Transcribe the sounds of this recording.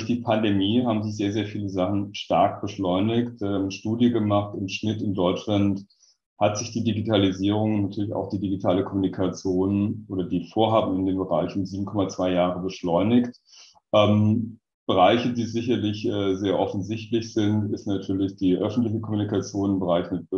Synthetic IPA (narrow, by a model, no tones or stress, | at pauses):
dçd̥iːpʰandemiːɦaːbm̩zɪçz̥eːɐzeːɐfiːləzaχn̩ʃtaɐk̚b̥əʃlɔʏnɪktaːmnʃtuːdjəɡəmaχtɪmʃnɪtɪndɔʏt͡ʃlant | hatz̥ɪçd̥iːdiɡitʰaliziːʁ̞ʊŋʊnatʰyːɐlɪça̰ʊxd̥iːdiɡitʰaːləkʰɔmunikʰat͡sjoːnʔoːdɐdiːfoːɐɦaːbm̩ɪndeːnbəʁa̰ɪçʊnziːbm̩kʰɔmat͡sv̥aɪjaːʁ̞əbəʃlɔʏnɪçt | ʔɛːm | b̥əʁaɪçədiːzɪçɐlɪçʔɛːzeːɐʔɔfn̩zɪçtlɪçz̥ɪntɪstnatʰyːɐlɪçd̥iːʔœfn̩tlɪçəkʰɔmunikat͡sjoːnɪmbəʁaɪçmɪt